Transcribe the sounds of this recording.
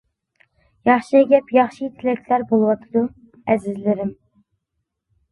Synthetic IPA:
jɑχʃɨeɡʲɛpjɑχʃɨt̪ʰɪlɛkʲlæɾbolˠɨwɑt̪ʰɨd̪u | ɛzɪzlɪɾɪm

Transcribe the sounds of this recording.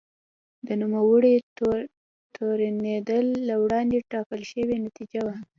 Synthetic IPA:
d̪ənumawəɽe | t̪ʰoɾaned̪əlːawɽɑnd̪eʈɑkəlʃəwenat̪id͡ʒawa

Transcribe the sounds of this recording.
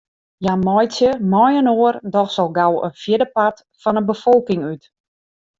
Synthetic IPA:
jamɔjsjəmɔjənoərdɔxsɔlˠɡawə̰nfjɪdəpat | fɔnənbəfɔlˠkɪŋyt

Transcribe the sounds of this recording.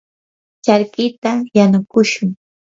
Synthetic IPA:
t͡ʃaɾkɪt̪ajanʊkʊʃʊŋ

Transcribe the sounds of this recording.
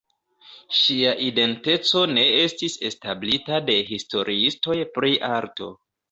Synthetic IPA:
ʃiaʔide̞nte̞t͡so̞ne̞estise̞stablitade̞ɦisto̞ɾʔiisto̞jpɾiʔaɾto̞̰

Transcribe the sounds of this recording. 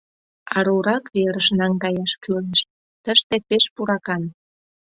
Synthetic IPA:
ɑ̰ɾuɾɑkβeɾəʃnɑŋkɑjɑʃkyleʃ | t̪əʃt̪epeʃpuɾɑkɑn

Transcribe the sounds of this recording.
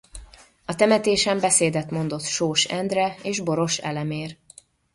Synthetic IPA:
ɒt̪ɛmɛt̪eːʃɛmbɛseːd̪ɛt̪mo̞nd̪ot̪ʃoːʃɛnd̪rɛeːʒbo̞ɾo̞ʃɛ̰lɛmeːr

